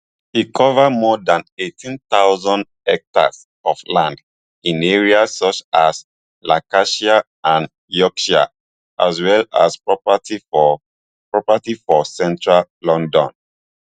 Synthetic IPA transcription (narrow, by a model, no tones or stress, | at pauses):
ikʰɔvamɔdãnetʰĩntaʊzɔ̃nd | ɛk̚ta̰s | ɔflãnd | ĩneɹiasɔt͡ʃas | lakaʃia | ʔãn | jɔkʃa̰ | ʔazwɛla̰spɹɔpati | pɹɔpatifɔsɛ̃ntɹallɔ̃ndɔ̰̃n